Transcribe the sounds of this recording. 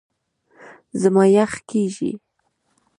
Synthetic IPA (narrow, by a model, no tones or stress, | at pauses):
zəmɑjaxkeʒḭ